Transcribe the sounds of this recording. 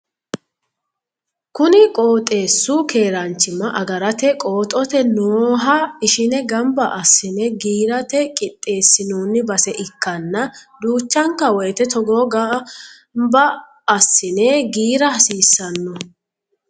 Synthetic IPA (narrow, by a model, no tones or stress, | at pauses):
kʊnɪkʼo̞ːt̪ʼe̞ːsːʊkʰe̞ːɾɐnt͡ʃːɪmɐʔɐɡɐɾɐt̪ɛkʼoːt̪ʼɔt̪ɛnoːɦɐɪʃɪnɛɡɐmbɐʔɐsːɪnɛɡiːɾɐt̪ɛkʼɪt̪ʼːe̞ːsːɪnuːnːɪbɐsɛʔɪkːɐnːɐd̪uːt͡ʃːɐŋkːɐwɔjt̪ɛt̪ɔɡoɡɐ | mbɐː | sːɪnɛɡiːɾɐhɐsiːsːɐnːɔ